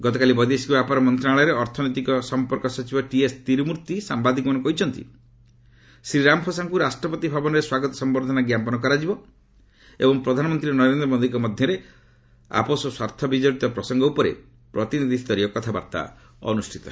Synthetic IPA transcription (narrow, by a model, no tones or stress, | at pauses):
ɡɔt̪ɔkalibɔd̪iesikbapaɾɔmɔnt̪ɾaaɭɔɾeɔɾt̪ʰɔnɔjt̪ikɔsɔmpɔɾkɔsɔt͡ʃibɔʈiest̪iɾmuɾt̪isambad̪ikɔmɔnɔkɔɦit͡ʃʰɔnt̪ḭ | sɾiɾampʰɔsaŋkuɾasʈɾɔpɔt̪ibʱabɔnɔɾeswaɡɔt̪ɔ̥sɔmbɔɾd̪ʱɔnaɡjampɔnɔkɔɾad͡ʒibɔ | ḛbɔŋpɾɔd̪ʱanɔmɔnt̪ɾiɾnɔɾend̪ɾɔmod̪ikɔmɔd̪ʱjɔɾe | a̰pɔsɔswaɾt̪ʰɔbid͡ʒɔɽit̪ɔpɾɔsɔŋɡɔupɔɾḛ | pɾɔt̪inid̪ʱist̪ɔɾiɔkɔt̪ʰaba̰ɾt̪a̰ | ɔ̰nusʈʰi̥t̪ɔ